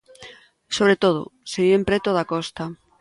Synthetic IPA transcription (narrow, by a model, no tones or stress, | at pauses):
soβɾet̪oð̞ʊ̰seɣiempɾet̪oðakɔst̪a